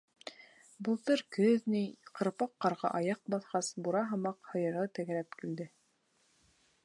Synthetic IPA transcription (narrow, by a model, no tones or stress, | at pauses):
bɤ̆lˠt̪ɤɾkɵðniqɤ̆ɾpɑqːɑɾʁɑ̰ʔɑjɑq̚bɑθqɑsbuɾɑɦɤ̆mɑqhɤ̆jɤ̆ɾʁɤt̪æ̆ɡɘ̆ɾæp̚kild̪ɘ